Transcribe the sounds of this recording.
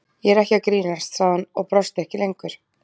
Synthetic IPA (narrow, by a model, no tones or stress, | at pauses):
jɛɛɾɛhcakɾiːnast̪saːɣðanɔɣpɾɔst̪ɛhcɪlejŋkvʏɾ̥